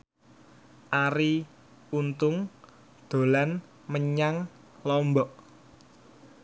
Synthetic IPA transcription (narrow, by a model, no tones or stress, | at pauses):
ʔaɾi | unt̪ʊŋ | d̪̥o̤lan | məɲaŋ | lɔmbɔʔ